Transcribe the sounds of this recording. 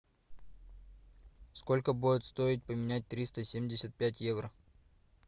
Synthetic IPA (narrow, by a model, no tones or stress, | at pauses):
sko̞lʲkəbuɪt̪st̪o̞ɪt̚ʲpəmʲɪnʲæt̚ʲt̪ɾʲist̪əsʲemʲdʲɪsʲət̪̚pʲætʲjevɾə